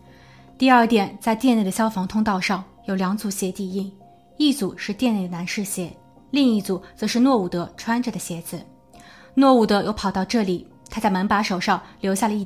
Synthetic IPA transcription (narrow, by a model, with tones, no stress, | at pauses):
t̪i˥˧ɐ˞˥˩t̪jɛ˨˩nt͡sa˥˧ɪt̪jɛ˥˧nld̪ə˩ɕjɑ˥ʊfɑ˧˥ŋt̪ʰʊ˥ŋt̪ɑ˥˧ʊʂɑ˥˩ŋ | jo˨˩ʊljɑ˧˥ŋt͡su˧˥ɕjɛ˧˥t̪i˥˧i˥˩ŋ | i˥˩t͡su˨˩ʂɻ̩˥˧t̪jɛ˥˧ne˥˩d̪ə˩na˧˥nʂɻ̩˥˩ɕjɛ˧˥ | li˥˧ŋi˥˩t͡su˨˩t͡sɤ˧˥ʂɻ̩˥˧nwɔ˥˩u˨˩t̪ɤ˧˥ʈ͡ʂʰwa˥nʈ͡ʂə˨˩d̪ə˩ɕjɛ˧˥d͡zɹ̩˧˩ | nwɔ˥˩u˨˩t̪ɤ˧˥jo˥˩ʊpʰɑ˨˩ʊt̪ɑ˥˧ʊʈ͡ʂɤ˥˩li˨˩˦ | t̪ʰa˥t͡sa˥˩ɪma˧˥npa˧˥ʂo˨˩ʊʂɑ˥˩ŋljo˧˥ʊɕja˥˩lə˩i˥˩